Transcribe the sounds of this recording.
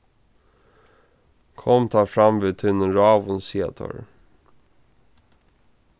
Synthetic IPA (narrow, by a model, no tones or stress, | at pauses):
kʰɔmt̪ʰɑːfɾɑmʋet̪ʰɪnəɾɑːʋʊnsiːa̰t̪ʰɔ̰ɹ